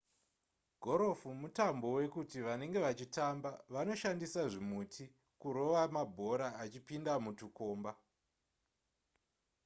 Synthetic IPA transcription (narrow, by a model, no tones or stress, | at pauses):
ɡʱo̞ɾo̞fumutambo̞we̞kutiʋane̞ŋɡe̞ʋat͡ʃitambaʋano̞ʃandisaʐimutʰi | kuɾo̞ʋamabʱo̞ɾaːt͡ʃipindamutuko̞ːmba